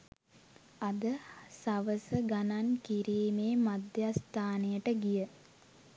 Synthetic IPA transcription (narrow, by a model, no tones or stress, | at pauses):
ad̪əsaʋəsəɡanankiɾiːmeːmad̪jast̪aːnejəʈəɡijə